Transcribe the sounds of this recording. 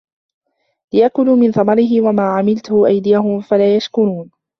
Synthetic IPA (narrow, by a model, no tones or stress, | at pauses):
lɪjakʊnuːmɪnθɑmɑɾɪɦɪwamaːʕamɪlt̪ʊhʊʔajd̪ɪjaɦʊmfalaːjaʃkʊɾuːn